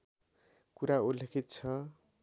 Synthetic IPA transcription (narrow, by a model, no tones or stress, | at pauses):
kuɾaulːekʰit̪̚t͡sʰʌ